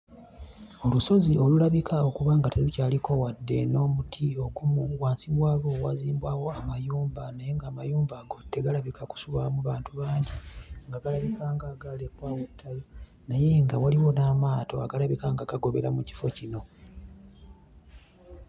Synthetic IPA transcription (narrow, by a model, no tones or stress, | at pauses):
o̞luso̞zio̞lulaβikʰao̞kuβaːŋɡatelucaːliko̞wadːe̞̰no̞ːmutʰio̞ɡumuɡwaːnsiβwaːβowa̰ziːmbwaːwo̞amajuːmbanaje̞ŋɡaːmajuːmbaɡo̞tːe̞ɡalaβikʰaku̥suβamuβaːntuβaːɲɟiŋɡaɡalaβikaːŋɡaɡalepwaːwotʰːajo | naje̞ŋɡawaliwo̞naːmaːto̞a̰ɡalaβikaŋɡaɡaɡo̞βe̞̰ɾamuci̥fo̞cino̞